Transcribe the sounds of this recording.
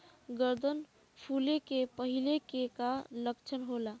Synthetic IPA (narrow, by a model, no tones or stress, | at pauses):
ɡəɾd̪ʱən | pʰulekepəɦilekekaləkt͡ʃʰənɦola